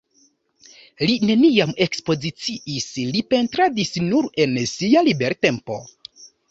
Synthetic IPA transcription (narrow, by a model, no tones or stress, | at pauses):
line̞niame̞kspo̞zit͡siʔislipe̞ntɾadisnuɾe̞nsialibe̞ɾte̞mpo̞̰